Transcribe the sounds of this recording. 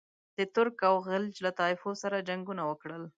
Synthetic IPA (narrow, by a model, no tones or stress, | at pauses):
d̪̥ət̪ʊɾkawɣɪld͡ʒlat̪ɑɪfosaɾad͡ʒaŋɡunawəkɽəl